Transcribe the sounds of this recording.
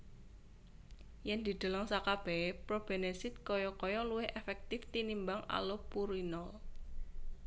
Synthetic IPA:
jɛnd̪̥i̤d̪̥o̤laŋsakab̥ɛ̤pɾob̥e̤nesɪt̪̚kɔjɔkɔjɔluwɪhʔefɛk̚t̪ɪft̪inimbaŋa̰lopuɾinɔl

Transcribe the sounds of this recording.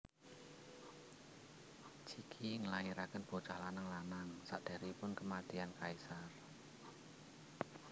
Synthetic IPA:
t͡ʃikʰiŋəlaiɾakənb̥ot͡ʃalanaŋlanaŋsa̰ʔd̪̥a̤ɾipʊnkəmat̪iankaisar

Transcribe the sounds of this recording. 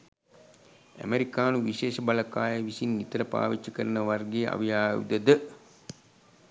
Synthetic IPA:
æ̰meɾikaːnuʋiʃeːʃəbalɐkaːjəʋisinːit̪əɾəpa̰ːʋit͡ʃːɐkəɾənəʋarɡeːʔa̰ʋijaːṵd̪əd̪ə

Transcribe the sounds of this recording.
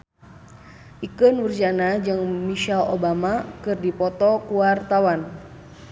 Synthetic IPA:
ʔikənurd͡ʒanad͡ʒɨŋmiʃalo̰bamakɨrdipɔt̪ɔkuwart̪awan

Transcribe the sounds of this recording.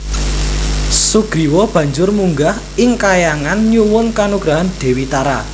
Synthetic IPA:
suɡ̥ɾiwɔb̥ä̤ɲd͡ʒʊrmuŋɡah | ɪŋkajaŋanɲuwʊnkanuɡɾaɦanɖ̪̥e̤wit̪aɾa̰

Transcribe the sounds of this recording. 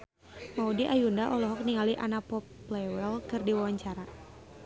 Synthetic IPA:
maudiʔajundaʔɔlɔɦɔk̚niŋaliʔanapɔpːlɛwɛlkɨrdiwawaɲt͡ʃaɾa

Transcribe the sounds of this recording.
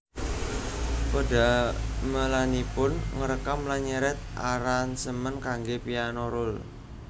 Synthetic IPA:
poda̤məlanipʊnŋəɾəkamlaɲəɾɛt̪̚ʔaɾansəmənkaŋɡepianoɾʊl

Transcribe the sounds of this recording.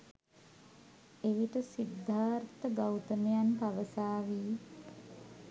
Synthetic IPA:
eʋiʈəsid̪ʱːaːɾt̪əɡawt̪əmejanpaʋəsaːʋiː

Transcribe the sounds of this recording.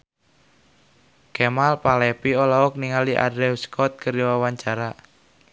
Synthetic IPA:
kɛmalpalɛpiɔlaɔk̚niŋaliʔa̰dɾɛwskʰɔt̪̚kəɾiwawaɲt͡ʃaɾa

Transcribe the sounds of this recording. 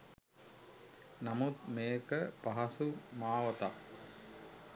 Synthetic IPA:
namut̪meːkəpaɦɐsumaːʋɐt̪a̰

